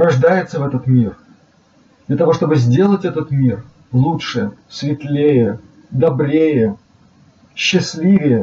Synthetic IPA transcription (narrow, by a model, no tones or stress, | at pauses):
rɐʐd̪ajɪt̪səvɛt̪ət̪mʲir | d̪lʲət̪ɐvo̞ʂt̪o̞bɨzʲdʲe̞lˠətʲɛt̪ət̪mʲir | lˠutʂɨsvʲɪt̪lʲejə | d̪ɐbɾʲejə | ɕːɪsʲlʲivʲɪjə